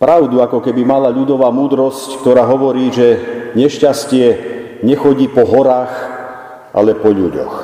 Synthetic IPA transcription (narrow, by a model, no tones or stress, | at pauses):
pɾaʊd̪uakɔkɛbimalaʎud̪ɔʋaːmuːd̪ɾɔsck̚t̪ɔɾaːɦɔʋɔɾiːʒɛɲɛʃcascɪɛ | ɲɛxɔɟiːpɔɦɔɾaːx | ʔa̰lɛpɔʎuɟɔ̰x